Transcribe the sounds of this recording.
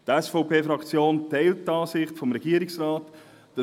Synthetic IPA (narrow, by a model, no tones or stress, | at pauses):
tɛsfɔʊpeːfɾɑkt͡sjoːntɛɪlttɑːsɪχtfɔmɾɛɡ̥iːəɾɪksraːt | d̥ɑ